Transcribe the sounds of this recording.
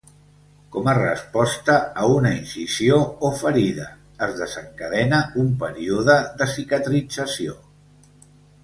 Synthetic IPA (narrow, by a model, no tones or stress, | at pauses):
kɔmərə̰spɔst̪əːunəinsizioufəɾiðəː | zðəzəŋkəðɛnəumpəɾiuðəðəsikət̪ɾid͡zəsio